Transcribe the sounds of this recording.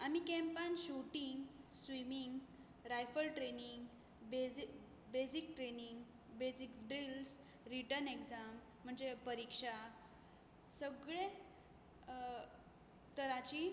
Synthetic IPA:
amikɛ̃mpanɕuʈiŋɡsʋimiŋɡ | ɾajfəlʈɾeniŋɡ | be | besik̚ʈɾeniŋɡ | bed͡zikɖɾils | ɾiʈənekd͡zam̤ːəɳd͡zepəɾikʂa | səɡɭe | t̪əɾat͡ɕi

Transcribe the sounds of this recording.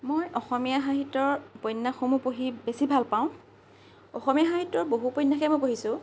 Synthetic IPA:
mojɔxɔmijaɦaɦitɔɹpɔnːaxomupoɦibesibʱalpaʊ̃ | ɔxɔmijaɦaɦitːɔɹboɦupɔjnːaxɛmojpoɦisʊ̃

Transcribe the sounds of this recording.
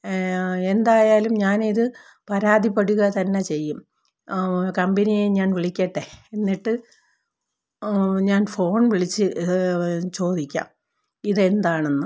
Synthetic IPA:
e̞nd̪aːjaːlumɲaːniðɨ | pɐɾaːd̪ʱipːeɽuɣɐt̪ɐnːe̞t͡ɕe̞jːum | kɐmbɐnijeɲaːnʋiɭikʲːɐʈːeenːiʈːɨ | ɲaːnfo̞ːɳʋiɭit͡ɕːɨ | t͡ɕo̞ːd̪ʱikʲːa̰ːm | iðe̞nd̪aːɳenːɨ

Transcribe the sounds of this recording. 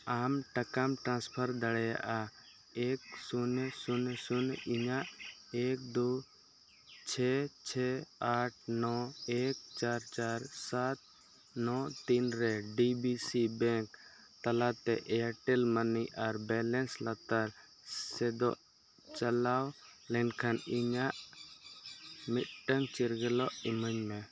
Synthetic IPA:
amʈəkamʈɾãnspʰəɾd̪əɽɛja̰ʔa | eksunesunsuniɲaʔek̚d̪u | t͡ʃʰɛt͡ʃʰɛaʈʰnɔek̚t͡ʃaɾt͡ʃaɾsat̪̚ | nɔt̪inɾɛɖibisibɛŋk | t̪alat̪ɛ̰ʔɛaʈɛlməniʔaɾbɛlɛnslat̪aɾ | sɛd̪ɔ̰ʔ | t͡ʃalawlɛnkʰaniɲaʔ | mit̪̚ʈəmt͡ʃiɾɡɛlɔʔiməɲmɛ

